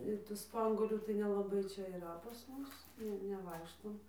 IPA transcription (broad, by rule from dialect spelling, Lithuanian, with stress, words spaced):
ɪr tuː ˈspɐŋɡuɔlʲuː tɐɪ nʲɛlˠɐˈbɐɪ ˈt͡ʃʲɛ iːˈrɐ pɐs ˈmʊs ˈnʲɛ nʲɛˈʋɐɪkʃtoːm